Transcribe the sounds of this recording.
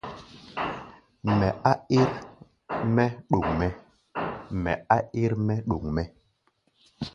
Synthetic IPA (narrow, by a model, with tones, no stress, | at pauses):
mɛ˨a˦i˦ɾ | mɛ˦ɗu˨ŋmɛ˨ | mɛ˨a˦i˦ɾmɛ˦ɗu˨ŋmɛ˦